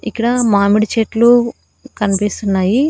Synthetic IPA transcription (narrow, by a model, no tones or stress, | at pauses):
ikːɐɽɐmaːmiɽit͡ʃeːʈlu | kɐnipist̪unːaːji